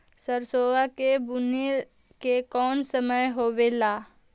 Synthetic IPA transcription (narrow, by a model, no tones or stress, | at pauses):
səɾsoːʋakebʊne | kekɔːnsəməjɦoːʋelaː